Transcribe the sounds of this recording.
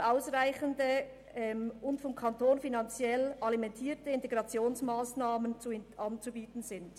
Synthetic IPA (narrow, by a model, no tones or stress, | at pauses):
ʔaʊsʁaɪçəndə | ɛmʊntfɔmkʰantoːnfinɑnt͡sjɛlʔɑlimɛntʰiːtəɪnteɡʁɑt͡sjoːnsmaːsnaːmənt͡suʔɑnt͡subiːtn̩zɪnd